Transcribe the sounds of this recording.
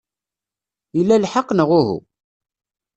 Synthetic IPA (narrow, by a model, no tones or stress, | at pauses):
ilːælħəqːnəʁʊɦṵ